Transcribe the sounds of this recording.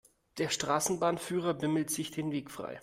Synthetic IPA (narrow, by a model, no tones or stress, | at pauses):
d̥eːɐʃtʁ̥aːsn̩baːnfyːʁɐbɪml̩tz̥ɪçd̥eːnveːkfʁ̥a̰ɪ